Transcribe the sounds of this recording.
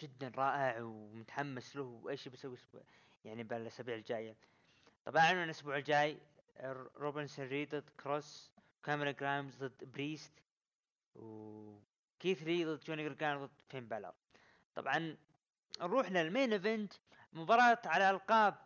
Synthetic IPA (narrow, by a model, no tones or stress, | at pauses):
d͡ʒɪd̪ːanɾˤɑːʔɪʕwmʊt̪ḁħamːaslʊhwʔaːʃibasawiʔsbṵːʕ | jaʕnibalʔasabiːʕɪld͡ʒaːja | t̪ˤɑbʔaʕamɪnʔʊsbuːʕɪld͡ʒaːj | ɾoːbɪnsnɾiːd̪ˤɨd̪kɾos | kamɾˤaɡɾaːmzd̪ˤɨd̪ːbɾiːst̪ | w | kiːθɾiðˤɨd̪ːˤt͡ʃoːnɪɡɾɡaːmðˤɨd̪feːmbalɑ̰ɾˤ | t̪ˤɑ̰bʕɑn | ɾˤuːħlalmeːnʔɪvɪnt̪ | mʊbɑːɾˤɑːt̪ʕalaʔalqɑːb̚